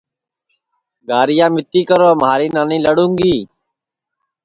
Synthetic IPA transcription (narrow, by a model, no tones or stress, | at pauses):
ɡaːɾɪjaːmɪt̪iːkəɾoːmaːɾiːnaːnĩːləɽũːŋɡiː